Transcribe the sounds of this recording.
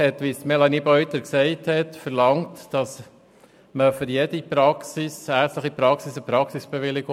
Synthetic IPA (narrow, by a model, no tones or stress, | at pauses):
hɛtʋistmɛlɑniːbœʏtəɾksɛɪthɛtfəɾlɑŋtd̥ɑs | məfʏɾjɛdipɾɑksisæːɾt͡stləχipɾɑksisəpɾɑksisb̥eʋɪlɪɡo